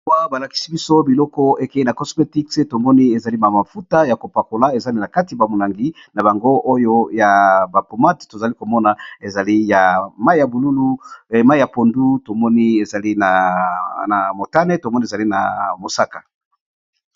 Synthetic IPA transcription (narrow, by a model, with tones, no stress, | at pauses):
wa˦ba˨la˨ki̥˦si˦bi˦so˦bi˨lɔ˦kɔ˦e˨ke˨˦i˦na˨kɔ˦sme˦ti˦kse˦to˨mɔ˦ni˦e˨za˨li˦ma˨ma˨fu˦ta˦ja˨ko˨pa˨ko˨la˦e˨za˦ni˦na˨ka˦ti˨ba˨mo˨la˨ŋɡi˦ | na˨ba˨ŋɡo˦ʔo˦jo˦ja˨ba˨po˨ma˦tto˨za˨li˦ko˨mɔ˦na˨e˨za˨li˦ja˨ma˦i˦ja˨bu˨lu˦lu˦˨ma˦i˦ja˨po˨ndu˦to˨mɔ˦ni˦e˨za˨li˦na˨na˨mo˨ta˦nɛ˦to˨mɔ˦ni˦e˨za˨li˦na˨mo˨sa˦kḁ˨